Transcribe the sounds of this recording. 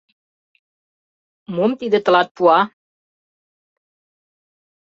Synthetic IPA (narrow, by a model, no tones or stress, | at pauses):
momt̪id̪ət̪əlat̪̚pua